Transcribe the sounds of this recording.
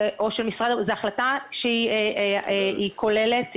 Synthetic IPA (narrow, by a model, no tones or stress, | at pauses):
ʔo̞ʃelmisʁad̪zeaχlataʃeieʔeeikʰo̞lelet̪